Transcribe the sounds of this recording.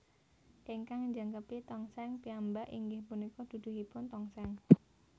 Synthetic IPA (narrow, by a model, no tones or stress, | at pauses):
ʔiŋkaŋɲd͡ʒəŋkəpit̪ɔŋsɛŋpiambaʔḭŋɡɪhpunikɔd̪̥ṳd̪̥ʊ̤ɦipʊnt̪ɔŋsɛŋ